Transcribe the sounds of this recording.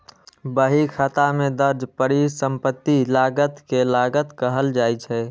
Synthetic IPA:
bəɦikʰat̪amẽd̪əɾd͡ʒpəɾisəmpət̪ːilaːɡət̪kelaɡət̪kəɦəld͡ʒaːjt͡ʃʰɛ

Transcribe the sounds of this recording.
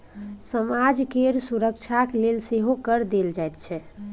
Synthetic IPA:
səmad͡ʒkeɾsuɾək̚t͡ʃʰaklelseɦokəɾd̪eld͡ʒajt̪t͡ʃʰɛ

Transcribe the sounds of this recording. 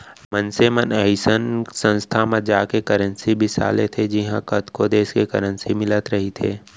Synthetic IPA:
mənsemənɛɪsənsə̃nst̪ʰaməd͡ʒaːkekəɾə̃nsibʱɪsa̰ːlet̪ʰed͡ʒɪɦãkət̪kod̪eːskekɐɾə̃nsimɪlət̪ɾɐɦit̪ʰeː

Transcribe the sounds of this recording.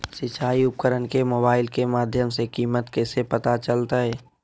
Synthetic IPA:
sɪt͡ʃaːiʊp̚kəɾənkemoːbaːɪlkemaːd̪ʱjəmsekiːmət̪kɛːsepət̪at͡ʃəlt̪aɦɛː

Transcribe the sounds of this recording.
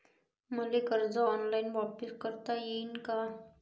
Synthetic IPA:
məlekəɾd͡zɔːnlainʋapəskəɾt̪ajeinka

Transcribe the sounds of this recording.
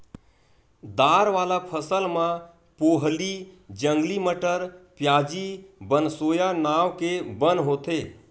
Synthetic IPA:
d̪aːɾʋaːlapʰəsəlmã | poːɦlid͡ʒəŋɡliməʈəɾpjaːd͡ʒibənsoːjanaːʋkebənɦoːt̪e

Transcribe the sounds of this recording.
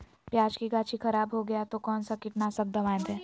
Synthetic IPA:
pjaːd͡ʒkiɡaːt͡ʃixɐɾaːbɦoɡɐjat̪okɔːnsakɪʈnasɐk̚d̪ɐʋãːjnd̪ɦɛː

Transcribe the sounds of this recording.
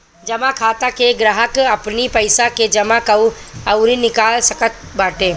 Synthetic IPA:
d͡ʒɐmakʰaːt̪akeɡɾaɦəkɐpnipɐɪsaked͡ʒɐmakɐu | ɐʊɾinɪkaːlsɐkət̪̚baːʈẽː

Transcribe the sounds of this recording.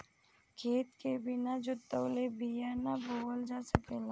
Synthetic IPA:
kʰeːt̪kebɪnad͡ʒot̪əwlebijanaboːəld͡ʒaːsəkeːlã

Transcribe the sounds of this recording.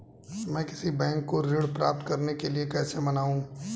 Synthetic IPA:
mɛ̃ːkɪsibɛ̃ːŋkːoɾɪːɽpɾaːp̚t̪kɐɾnekeliekɛːsemɐnaːũː

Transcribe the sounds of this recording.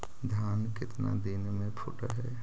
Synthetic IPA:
d̪ʱjaːnkɪt̪na̰d̪ɪnmẽpʰʊʈəɾɦɛː

